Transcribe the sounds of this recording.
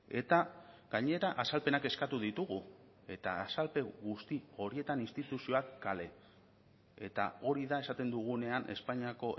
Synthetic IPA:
e̞t̪aɡaɲe̞ɾaʔasalpe̞nake̞skat̪uðit̪uɣu | e̞t̪aːsalpe̞ɣust̪io̞ɾie̞t̪aninst̪it̪usio̞akːale̞ | e̞t̪a̰o̞ɾiðae̞sat̪e̞nd̪uɣ̞une̞anʔe̞̰spaɲiako̞ʔ

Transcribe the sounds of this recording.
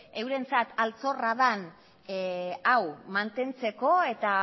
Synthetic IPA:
e̞wɾe̞nt͡sat̪alt͡so̞raðan | awmant̪e̞nt͡se̞ko̞e̞t̪a

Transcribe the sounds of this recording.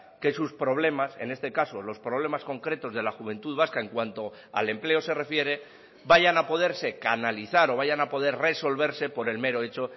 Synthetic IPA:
ke̞suspɾo̞β̞le̞mase̞̰ne̞st̪e̞kaso̞lo̞spɾo̞β̞le̞masko̞ŋkɾe̞t̪o̞zðe̞laxuβ̞e̞nt̪uðβaskaeŋkwant̪o̞ | a̰le̞mple̞o̞se̞re̞fje̞ɾe̞ | baʝanapo̞ðe̞ɾse̞kanaliθaɾo̞β̞aʝanapo̞ðe̞ɾre̞so̞lβ̞e̞ɾse̞po̞ɾe̞lme̞ɾo̞e̞t͡ʃo̞

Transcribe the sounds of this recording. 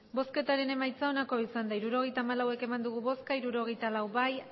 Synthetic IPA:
bo̞ske̞t̪aɾe̞ne̞majt͡saonako̞isand̪aiɾuɾo̞ɣ̞e̞jt̪aːmalawe̞ke̞mand̪uɣ̞uβo̞skaiɾuɾo̞ɣ̞e̞jt̪alawβaj

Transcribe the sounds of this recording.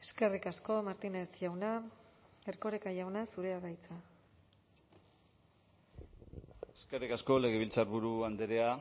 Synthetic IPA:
e̞ske̞rikasko̞maɾt̪inet͡sjawna | eɾko̞ɾekaʝawnasuɾe̞aɣajt͡sa | eskerikasko̞le̞ɣ̞eβ̞ilt͡saɾβuɾuand̪eɾea

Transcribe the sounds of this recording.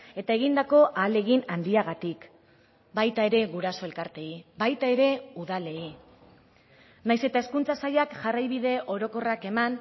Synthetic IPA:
e̞t̪ae̞ɣ̞ind̪ako̞ʔaːle̞ɣinand̪iaɣat̪ik | bajt̪ae̞ɾe̞ɣuɾaso̞e̞lkaɾt̪e̞ibajt̪ae̞ɾe̞uð̞ale̞i | najse̞t̪ae̞skunt͡sasajakʝarajβiðe̞ʔo̞ɾo̞ko̞rake̞man

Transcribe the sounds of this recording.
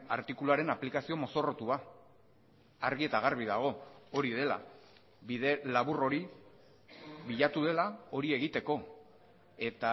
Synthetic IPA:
aɾt̪ikuluaɾe̞naplikasio̞mo̞so̞ro̞t̪ua | aɾɣie̞t̪aɣ̞arβ̞iðaɣ̞o̞o̞ɾið̞e̞la̰ | βiðe̞laβuro̞ɾi | βiʎat̪uð̞e̞lao̞ɾie̞ɣit̪e̞ko̞ | e̞t̪a

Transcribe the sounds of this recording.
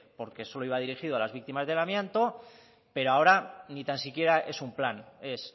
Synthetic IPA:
po̞ɾke̞so̞loiβað̞iɾixiðoalazβik̚t̪imazðe̞lamjãnt̪o̞ | pe̞ɾoao̞ɾanit̪ansikje̞ɾae̞sumplane̞s

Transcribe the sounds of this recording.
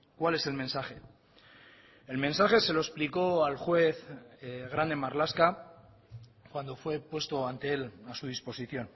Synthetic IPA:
kwale̞se̞lmẽ̞nsaχe̞ | elmẽ̞nsaχe̞se̞lo̞espliko̞alxwe̞θɣ̞ɾand̪e̞maɾlaska | kwand̪o̞fwe̞pwe̞st̪o̞ant̪e̞e̞lasuð̞ispo̞siθjo̞n

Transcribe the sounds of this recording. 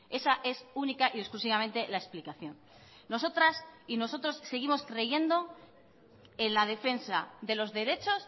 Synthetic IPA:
e̞saʔe̞sunikaʔiesklusiβamẽ̞nt̪e̞lae̞splikaθjo̞nː | o̞so̞t̪ɾasino̞so̞t̪ɾosːe̞ɣ̞imo̞skɾe̞je̞nd̪o̞ | e̞nlaðe̞fe̞nsa̰ðe̞lo̞zðe̞ɾe̞t͡ʃo̞s

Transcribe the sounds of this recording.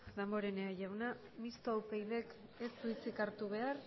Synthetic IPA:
ðambo̞ɾe̞neaʝawna | mist̪oawpejβe̞ke̞suit͡sikaɾt̪uβ̞e̞ar

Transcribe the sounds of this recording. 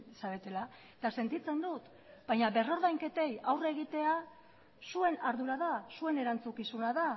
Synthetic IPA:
saβe̞t̪e̞la | et̪ase̞nt̪it͡se̞nd̪ut̪ | b̥ajɲaβe̞ro̞ɾðajŋke̞t̪e̞jawre̞ɣit̪e̞a | sue̞naɾðuɾaðasue̞ne̞ɾant͡sukisunaða

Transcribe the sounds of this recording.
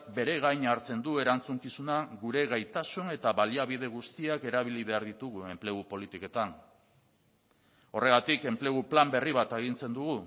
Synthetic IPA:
k̚be̞ɾeɣ̞ajɲaɾt͡se̞nd̪ue̞ɾant͡suŋkisunaɣuɾe̞ɣajt̪asune̞t̪aβaliaβið̞e̞ɣust̪iake̞ɾaβiliβe̞aɾðit̪uɣue̞mpleɣ̞upo̞lit̪iko̞t̪an | o̞re̞ɣ̞at̪ike̞mple̞ɣ̞uplambe̞riβat̪e̞ɣ̞int͡se̞nd̪uɣu

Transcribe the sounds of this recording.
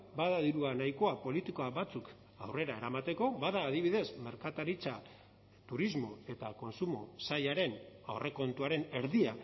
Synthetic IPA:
baðaðiɾuanajko̞apo̞lit̪iko̞aβat͡suk | a̰wre̞ɾae̞ɾamat̪e̞ko̞βaðaːðiβ̞iðe̞zme̞ɾkat̪aɾit͡sa | t̪uɾizmo̞e̞t̪ako̞nsumo̞sajaɾe̞nawrʔe̞ko̞nt̪uaɾe̞ne̞ɾðia

